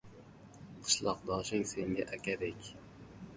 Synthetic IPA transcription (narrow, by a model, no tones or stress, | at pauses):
qʰɨ̥ʃlˠɑqd̪ɑːʃɪŋseŋɡʲɛʔækʲɛd̪ɪkʲ